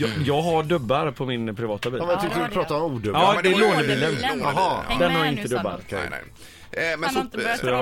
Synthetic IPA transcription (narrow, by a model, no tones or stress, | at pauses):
jɑːɡɦaɖɵbːaɾpʰɔmɪnpʰɾɪvɑːt̪abiːmɛjɑt̪ʰʏkːəɪlpʰɾɑːt̪aɔmuːd̪ɵɑːd̪ɛːloːnəbiːlənɦd̪ɛnhaɾjaɪnt̪əd̪ɵbːa̰d̪̰ | mɛsɔj